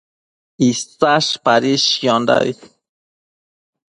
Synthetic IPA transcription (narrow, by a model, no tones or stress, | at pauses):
ist͡saʃpaɾiʃjɔnd̪a̰j